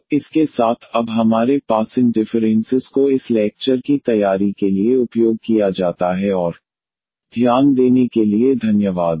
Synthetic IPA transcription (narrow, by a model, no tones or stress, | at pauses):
ɪskesaːt̪ʰɐbɦɐmaːɾepaːsɪ̃nɖɪfəɾɛ̃nsɪzkoɪslɛːk̚t͡ʃəɾkit̪ɐjaːɾikelieʊpjoːɡ̚kijad͡ʒaːt̪aɦɛɔːɾ | d̪ʱjaːnd̪eːnekelied̪ʱɐnjəʋaːd̪